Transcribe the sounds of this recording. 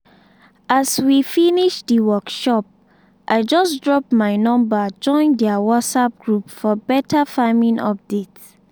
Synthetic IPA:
aswifiniʃdiwɔkʃɔp̚ | ʔaɪd͡ʒɔsdɹɔpmaɪnɔ̃mbad͡ʒɔ̃ɪ̃ndɛawɔtsap̚ɡ̥ɹupfɔbɛtʰafamĩnʔɔ̰p̚dets

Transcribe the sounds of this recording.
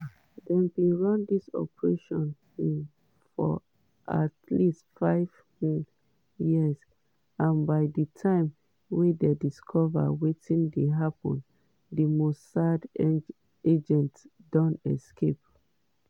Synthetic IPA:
dɛ̃nbĩɹɔ̃ndisɔ̰pɹeʃɔ̃n | ĩn | fɔ̰ | ʔa̰tlistfaɪv̥ | jiz | ãnbaɪditʰãɪ̃m | wɛ̃dediskʰɔva̰wetĩndeɦapɔ̰̃n | dimostsad | ed͡ʒɛ̃ntdɔ̃nɛ̰skʰep̚

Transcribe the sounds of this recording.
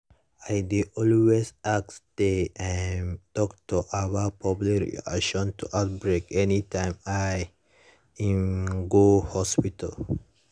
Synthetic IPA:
ajdiɔlwesaksdeamtɔk̚tuʔawapʰɔplkɾ̰ḭa̰kʃɔ̃ntuʔaʊt̚bɹekɛnitãɪ̃maj | ĩnɡohɔspital

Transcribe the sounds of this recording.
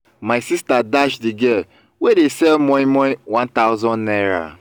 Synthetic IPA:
maɪsistadaʃdiɡɛl | wedesɛlmɔ̃ĩmɔwãntaʊzɔ̃nnɛɾa̰

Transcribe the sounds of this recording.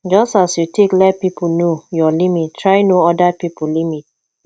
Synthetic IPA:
d͡ʒɔstasjutʰeklɛt̚pipunojɔlimittʰːɹaɪnoɔdapipulimit̚

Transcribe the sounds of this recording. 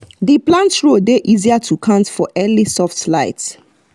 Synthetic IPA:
deplãntɹodeʔiziatʰukʰãntfɔʔɛlisɔftlaɪt

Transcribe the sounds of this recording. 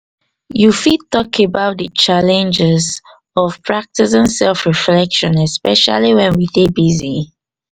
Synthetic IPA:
jufid̚tɔkʰebaʊt̚dət͡ʃalɛ̃nd͡ʒɛz | ɔv̥pʰɹak̚tis̬ɪ̃nsɛlfɹiflɛkʃɔ̃nɛspɛʃa̰liwɛ̃nwiθebizi

